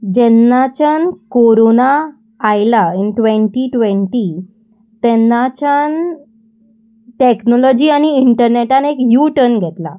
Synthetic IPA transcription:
d͡ʑɛnːat͡ɕankoɾonaː | jlainʈʋẽɳʈiʈʋẽɳʈi | t̪ɛnːat͡ɕan | ʈeknɔlɔd͡ʑiːañiiɳʈəɾneʈanekjuʈənɡʱɛt̪la̰

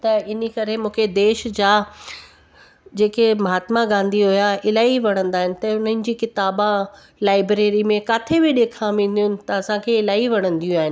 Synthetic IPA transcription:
t̪ɐɪnikɐɾemũːkʰed̪eːʃd͡ʑaː | d͡ʑeːkemɐɦaːt̪maɡãːnd̪iɦʊjaɪlaːiʋɐɽ̃ə̃nd̪aːɦɪnɪ̆t̪ɐʊn̤ənɪ̆d͡ʑiːkɪt̪aːbã | laːɪbɾeːɾimẽkaːt̪ʰebɪɗeːkʰãʋẽːn̆d̪ijʊnɪ̆t̪ɐɐsãkʰeɪlaːiʋɐɽ̤̃ə̃nd̪ijũaːɦɪnɪ̆

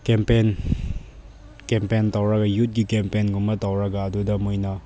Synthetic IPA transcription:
kempen | kempentawɾɐɡɐjut̚ɡikempenɡumːɐtɐwɾɐɡɐːdudɐmujnɐ

